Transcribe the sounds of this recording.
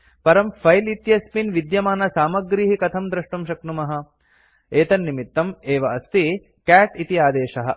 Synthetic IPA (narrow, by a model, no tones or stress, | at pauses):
pɐɾɐmfʰɐjlit̪jɐspinʋid̪jɐmaːnɐsaːmɐɡɾiːɦikɐt̪ʰɐmd̪ɾɐʂɳɐmʃɐknumɐɦɐ̆ | eːt̪ɐnːimit̪ːɐmeːʋɐɐst̪i | kæːʈit̪iaːd̪eːʃɐɦɐ̆